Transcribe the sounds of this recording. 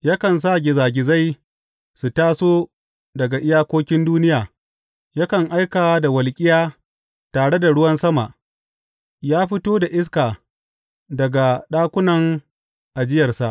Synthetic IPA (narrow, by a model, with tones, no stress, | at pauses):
ja˦kɐ˨ns̬a˦˨ɡʲɪ˨zaː˨ɡʲɪ˨za˦j | su˨taː˦soː˦ | dɐ˨ɡa˨ʔɪ˦jaː˦kʷoː˦kʲɪ˦nduː˦nɪ˦jaː˨ | ja˦kɐ˨ŋʔa˦jkaː˨˦da˨wɐ˨lkʲʼɪ˦jaː˦ | taː˨ɽe˦da˨ɽʊ˦wɐ˦nsɐ˦ma˨ʔ | jaː˦ɸɪ˦toː˦da˨ʔɪ˦s̬kaː˨ | dɐ˨ɡa˨ɗaː˦kʷʊ˦nɐ˨ŋ | ʔa˨d͡ʒɪ˦jɐ˨rsa˨ʔ